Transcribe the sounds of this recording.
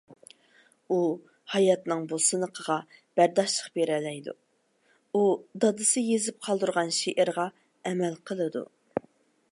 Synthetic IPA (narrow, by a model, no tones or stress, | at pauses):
u | hɑjɑt̪nɨŋbusɨnəqʰəʁɑb̥æɾd̪ɑʃlˠəqb̥eɾɛlɛjd̪ṵ | ud̪ɑd̪ɨsɪjezɪp̚qʰɑlˠd̪uɾʁɑnʃeʔɪɾʁɑ | ɛmɛlqʰəlˠɨd̪ṵ